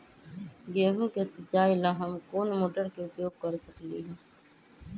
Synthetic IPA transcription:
ɡeːɦũkesɪt͡ʃːaːilaɦəmkoːnmoːʈəɾkeʊpjoːɡ̚kəɾsəklḭːɡaː

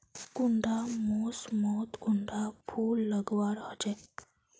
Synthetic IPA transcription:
kuɳɖʱamɔsmɔt̪kuɳɖʱafʰuːlːəɡʋaɾɦəd͡ʒɛ

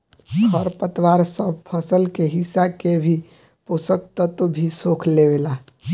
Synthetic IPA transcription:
kʰəɾpət̪waɾsəb̚ʱpʰəsəlkeɦɪsakebʱi | posək̚t̪ət̪obʱisoːkʰlewela

